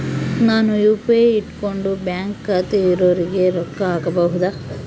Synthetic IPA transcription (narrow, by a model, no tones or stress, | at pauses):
naːnujuːpeiʈkoɳɖubjaːŋkːat̪eiɾoːɾiɡe̞ɾɔkːɐaːkɐbɐɦud̪a